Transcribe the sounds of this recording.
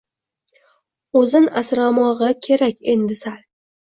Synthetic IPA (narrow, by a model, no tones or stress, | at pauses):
ɵzɪnasɾamɒʁɑkʲʰe̞ɾakʲe̞nd̪ɪsal